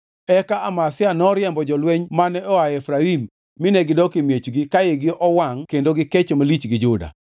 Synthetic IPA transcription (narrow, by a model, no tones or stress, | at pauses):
ɛkaʔamasɪanɔɾɪjɛmbɔd͡ʒɔlweɲmanɛɔaɛfɾaimː | ɪnɛɡɪdɔkɪmjet͡ʃɡɪkajeɡɪʔɔwaŋkendoɡɪket͡ʃomalit͡ʃɡɪd͡ʒʊda̰